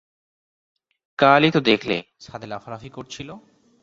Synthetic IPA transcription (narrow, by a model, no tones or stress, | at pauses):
kaːlit̪od̪ekʰlḛ | sad̪elafalafikoɾt͡ɕʰilo